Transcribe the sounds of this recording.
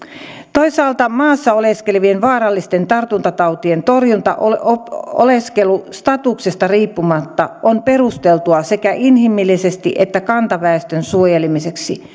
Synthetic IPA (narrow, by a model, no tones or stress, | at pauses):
t̪oisɑːlt̪ɑmɑːsːɑoleskelʋienʋɑːɾɑlːist̪ent̪ɑrt̪unt̪ɑt̪ɑut̪ient̪orjunt̪ɑ̰ʔoloo̰leskelust̪ɑt̪uksest̪ɑriːpːumɑt̪ːɑʔonperust̪elt̪uɑsekæʔinhimilːisest̪ḭʔet̪ːækɑnt̪ɑʋæest̪ønsuojelimiseksi